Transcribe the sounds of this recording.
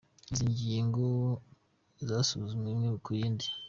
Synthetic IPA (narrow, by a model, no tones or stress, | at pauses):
iziɲɟieŋɡo | zaːsuzumŋemŋiβukujiːndi